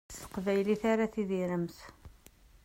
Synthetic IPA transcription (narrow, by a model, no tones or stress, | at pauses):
sə̥qvæjliθaɾaθiðiɾəmθ